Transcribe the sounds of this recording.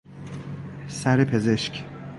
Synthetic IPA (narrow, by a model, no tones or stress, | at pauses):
sæɾepʰe̞zeʃc